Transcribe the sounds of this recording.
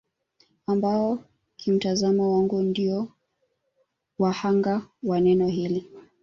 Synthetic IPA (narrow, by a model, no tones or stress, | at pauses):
ambaɔ | kʰim̩tazamawaŋɡundiɔ | wahaŋɡawanɛnɔɦili